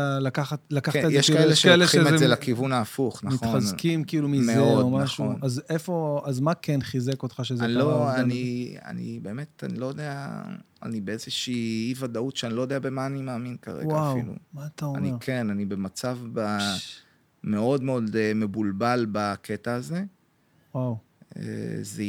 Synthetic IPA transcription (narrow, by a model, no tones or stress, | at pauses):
alakaχat̪lakatajeʃikaeleʃaeleʃeezelakivunaːfuχnamiχtoχaznkimkiilumizmeeodomaaχʃuonazefo̞azmakenχizekot̪χaʃezenloania̰nḭbeːmeta̰nilo̞jodea̰ | a̰nibeezeʃiːivadautʃeanilojd̪eabe̞maːnimaːminkaʁḛwɡaafḭlṵmaːt̪aa̰nikʰenanibe̞mat͡savba | me̞o̞dmeo̞deme̞bulbalbakʰetaːze | waw | ḛze